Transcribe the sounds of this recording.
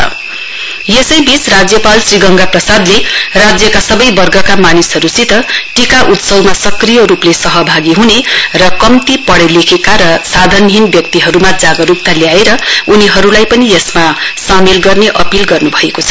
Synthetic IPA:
ʌ̰ | jesʌjbit͡srad͡zjʌpalsriɡʌŋɡaprʌsad̪lerad͡zjʌkasʌbʌjbʌrɡʱʌkamanisɦʌɾusit̪ʌʈikaʔut̪sʌwmasʌkrijʌɾuplesʌɦʌbʱaɡiɦunerʌkʌmt̪ipʌɽelekʰekaɾʌsad̪ʱʌnɦinbjʌk̚t̪iɦʌɾumad͡zaɡʌɾukt̪aljaeɾʌuniɦʌɾulajpʌnijesmasamelɡʌrneʔʌpilɡʌrnubʱʌekot͡sʰʌ

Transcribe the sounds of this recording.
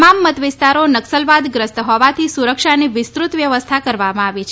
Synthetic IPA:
mamːət̪ʋɪst̪aɾonəksəlʋad̪ɡɾəst̪ɦɔʋat̪ʰisuɾəkʃaniʋɪst̪ɾut̪ʋjəʋəst̪ʰakəɾʋamãaʋit͡ʃʰ

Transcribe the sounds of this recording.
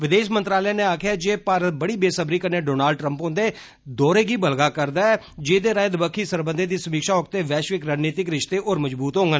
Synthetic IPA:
ʋɪd̪eːʃmənt̪ɾaːlãːnẽːaːkʰjaːd͡ʒeːpaːɾət̪̚bəɽiːbeːsəbɾiːkəɾneːɖoːnaːlɖ̚ʈɾəmpõːnd̪eː | d̪ɔːɾeːɡiːbəlɡaːkəɾd̪aːɛː | d͡ʒeːd̪eːɾaːɪd̪bəkʰːiːsəɾbənd̪eːd̪iːsəmiːkʃaːʊk̚t̪eːʋɛːʃʋɪkɾaːd͡ʒniːt̪ɪkɾɪʃt̪eːʔoːɾməd͡ʒbuːt̪ɦõːŋɡən

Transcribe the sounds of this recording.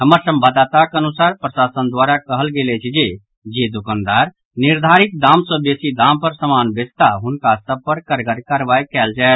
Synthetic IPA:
ɦəməɾsə̃mbʱad̪at̪akənusaɾpɾəsasənd̪waɾakəɦəlɡelɛt͡ʃʰd͡ʒe | d͡ʒed̪ukand̪aɾ | niɾd̪ʱaɾik̚d̪amsə̃besid̪ampəɾsəmanbest̪aɦunkasəb̚pəɾkəɾɡəɾkaɾbaikɛld͡ʒaet̪

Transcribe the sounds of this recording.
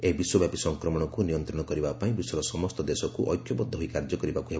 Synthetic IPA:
ebiswɔbjapisɔŋkɾɔmɔɽ̃ɔkunijɔnt̪ɾɔɽ̃ɔkɔɾibapaĩbisɔɾɔsɔmɔst̪ɔd̪esɔkuʔɔ̰jkʰjɔbɔd̪ʱːɔɦoikaɾd͡ʒɔkɔɾibakuɦeb

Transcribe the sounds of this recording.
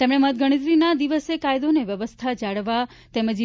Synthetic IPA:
t̪emɳ̃eməɦt̪̚ɡəɽ̃it̪ɾinad̪iʋəsekajd̪oneʋjəʋəst̪ʰad͡ʒaɽʋa | t̪eməd͡ʒ

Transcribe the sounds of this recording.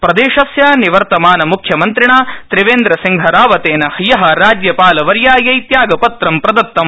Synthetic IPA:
pɾɐd̪eːʃɐsjaːniʋɐɾt̪ɐmaːnɐmukʰjɐmɐnt̪ɾiɳaːt̪ɾiʋeːnd̪ɾɐsiŋɡʱɐɾaːʋɐt̪eːnɐhijɐɦɐ̆ɾaːd͡ʒjɐpaːlɐʋɐɾjaːjɐit̪jaːɡɐpɐt̪ɾɐmpɾɐd̪ɐt̪ːɐm

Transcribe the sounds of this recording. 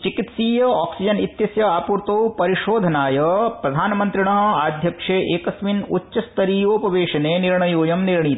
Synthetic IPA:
t͡ʃikit̪siːjɐaːksid͡ʒɐnit̪jɐsjɐaːpuːɾt̪ɐwpɐɾiʃoːd̪ʱɐnaːjɐpɾɐd̪ʱaːnɐmɐnt̪ɾiɳɐɦɐ̆aːd̪ʱjɐkʂeːʔeːkɐsminutːʃɐst̪ʰɐɾiːjoːpɐʋeːʃɐneːniɾɳɐjoːjɐmniɾɳ̃it̪

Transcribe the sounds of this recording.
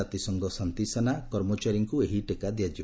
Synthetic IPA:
at̪isɔŋɡɔsant̪isanakɔɾmɔt͡ʃaɾiŋkueɦiʈekad̪ijad͡ʒi

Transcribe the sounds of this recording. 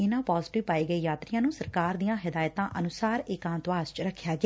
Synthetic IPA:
ɪnãːpɔːzɪʈɪʋpaːiːɡəiːjaːt̪ɾɪjãːnũːsəɾkaːɾd̪ijãːɦɪd̪aːjt̪ãːʔənʊsaːɾɪkãːnt̪ʋaːst͡ʃɾəkʰːjaːɡɪaː

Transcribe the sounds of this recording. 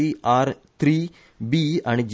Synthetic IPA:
iaːɾt̪ʰɾiː | biaɳd͡ʒ

